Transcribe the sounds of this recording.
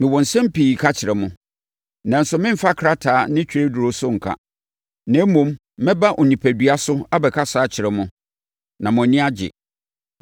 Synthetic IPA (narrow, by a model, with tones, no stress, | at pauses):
mɪ̃˨wɔ̃˨n̩˨sɛ̃˦m̩˦piː˨kʰa˦t͡ɕʰɪ˨ɾɛ˨mʊ̃˦ | nã˨n̩˨˦sʊ˨mɪ̃˦m̩˨fa˦kʰɾa˦tʰaː˨˦nɪ̃˦t͡ɕᶣʰɾe˦dʊ˨ɾo˦sʊ˦ŋ̩˨kʰa̰˦ | nɛ̃˨˦mũ˨mː | ɛ̃˦ba˦ʔɔ̃˨nĩ˨pʰæ˨dɥa˦sʊ˦a˦bɛ˨kʰa˦saː˨˦t͡ɕʰɪ˨ɾɛ˨mʊ̃˦ | nã˨mʊ̃˨nɪ̃˦a˦d͡ʑɪ̰˨